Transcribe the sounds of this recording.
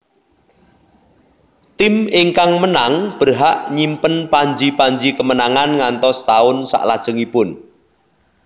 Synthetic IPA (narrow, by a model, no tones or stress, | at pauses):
t̪ɪmɪŋkaŋmənaŋb̥ərɦaʔɲimpənpaɲd͡ʒipaɲd͡ʒikəmənaŋanŋant̪ɔst̪aʊnsa̰ʔlad̥ʒ̥əŋipʊn